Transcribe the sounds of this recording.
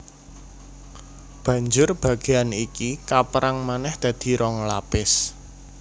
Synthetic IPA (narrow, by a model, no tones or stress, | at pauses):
b̥ä̤ɲd͡ʒʊrb̥ä̤ɡ̥e̤anikikapəɾaŋmanɛhd̪̥ä̤d̪̥i̤ɾɔŋlapɪs